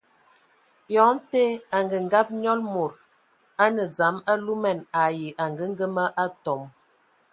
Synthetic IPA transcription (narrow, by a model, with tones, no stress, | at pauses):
jɔ˨˦n̩˦te˦a˨ŋɡə˨ŋ˦ɡa˦p̚ɲɔ˦lmo˨ɾ | a˦nə˨d͡za˨˦ma˦lu˦mɛ˨na˨ji˨ʔa˨ŋɡə˦ŋ˦ɡə˦mə˦ʔa˦tɔ˨m